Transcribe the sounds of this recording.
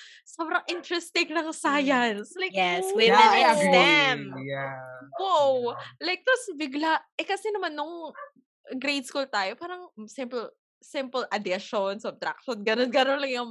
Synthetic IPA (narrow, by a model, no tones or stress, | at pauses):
saːbɾɐŋʔɪnt̪ɾɛst̪ɪŋlɐŋsaːjɐnslajjɛswinasd̪ɛmjwowlajk̚d̪osbɪɡlaʔʔɛkɐsɛnɐmanːoŋ | ɡɾejd̪skult̪aːjopaːɾɐŋsɪmp | sɪmpəlʔɐd̪ɪʃonsɐb̚t̪ɾa̰k̚ʃonɡɐnonɡɐnonlɐŋjʊŋ